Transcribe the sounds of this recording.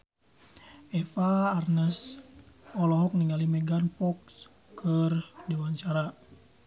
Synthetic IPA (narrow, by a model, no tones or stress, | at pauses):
ɛfaːrnəs | ɔlɔɦɔk̚niŋalimɛɡanpɔks | kʰərdɛwaɲt͡ʃaɾa